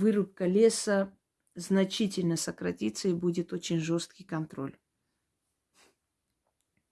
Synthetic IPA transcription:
vɨɾʊp̚kəlʲesə | znɐt͡ɕitʲɪlʲnəsəkɾɐtʲit̪səibudʲɪt̪o̞t͡ɕɪnʲʐo̞st̪̚kʲɪjkɐnt̪ɾo̞̰lʲ

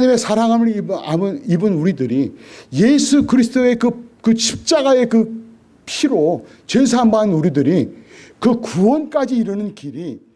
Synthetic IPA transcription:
ɲime̞sʰaɾaŋɦamɯɾamɯnibɯnuɾidɯɾije̞sʰukɯɾisʰɯdoe̞kɯkɯɕʰip̚t͡ɕ͈aɡae̞kɯ | pʰiɾo | t͡ɕesʰaambanuɾidɯɾikɯkuwʌnk͈ad͡ʑiːɾɯnɯnkiɾi

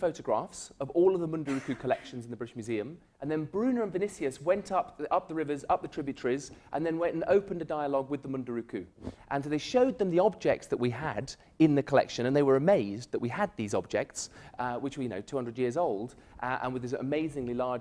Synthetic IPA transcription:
foʊɾɨɡɹæ̰fsʌvɔlˠʌvðəmʌ̃ndəɹʉkʉkʰəlɛkʃn̩zn̩ðəbɹɪɾɪʃmjʉziɨ̃m | ʔə̃nðɨ̃nbɹʉ̃nə˞ə̃nvɨnɪsiɨswɛ̃ntʰʌp̚ʌp̚ðəɹɪvə˞zʌp̚ðɨtʰɹ̥ɪbjɨtʰə˞izʔə̃nðɨ̃nwɛ̃ntnoʊpə̃ndɨdaɪəlɔɡwɨðəmʌ̃ndəɹʉkʰʉʔə̃nsoʊðeɪʃoʊd̪̚ðə̃mðiɑb̚d͡ʒɛk̚tsðəʔwiəd | ɪ̃nðɨkʰəlɛ̰kʃɨ̃ñɨ̃nðeɪwə˞ɨmeɪzðəʔwiəd̪̚ðizɑb̚d͡ʒɛ̰k̚tswɨt͡ʃwə˞jɨno̰ʊtʰʉhʌ̃ndɹədjɪɹzoʊlˠd | ʔʔə̰̃nwɨðɪsə̰meɪzɪ̃ŋlilɑɹ

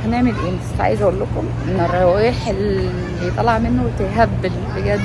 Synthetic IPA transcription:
æneʕmelʔeːnest̪ʕa̰jezʔæʔolːokomʔenːerˤːɑʔiːħelː | ijt̪ˤɑlɑʕmenːowet̪eɦæbːelfeɡæːd̪

